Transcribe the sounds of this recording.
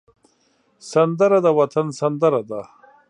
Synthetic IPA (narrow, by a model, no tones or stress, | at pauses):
sɐnd̪əɾad̪awɐt̪ʰɐnsɐnd̪əɾad̪a